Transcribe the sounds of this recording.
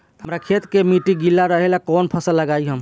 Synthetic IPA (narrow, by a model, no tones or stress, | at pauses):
ɦəmɾakʰet̪kemiʈiɡilːaɾəɦelakɔnpʰəsəlːəɡajɦəm